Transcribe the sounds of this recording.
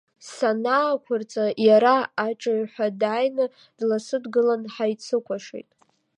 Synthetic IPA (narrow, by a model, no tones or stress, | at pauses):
sanaːkʷʰʊrt͡sʼajaɾaaʈ͡ʂʼɨʕħʷᶣadajnɨ | d̥lasɨdɡɨlanħajt͡sʰɨkʷʰaʂḭjtʼ